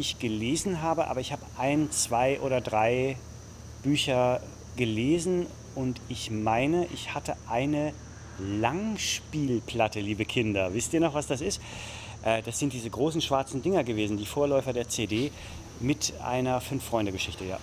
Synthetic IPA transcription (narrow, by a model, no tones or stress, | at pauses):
ɪçɡ̥əleːzn̩ɦaːbəʔa̰ːbɐɪçhaːbəʔaɪnt͡sv̥aɪʔoːɾɐdʁaɪ | b̥yːçɐ | ɡəleːzn̩ | ʊntɪçmaɪnəʔɪçhatəʔaɪnə | laŋʃpiːlpʰl̥atəliːbəkʰɪndɐvɪstʔiːɐnɔχv̥asd̥asɪst | ʔɛːd̥asz̥ɪnt̚d̥iːzəɡʁoːsn̩ʃv̥aɐt͡sn̩dɪŋɐɡəveːzn̩diːfoːɐlɔʏfɐdeːɐt͡sedeː | mɪtʔa̰ɪnɐfʏnfːʁ̥ɔʏndəɡəʃɪçtəja̰ː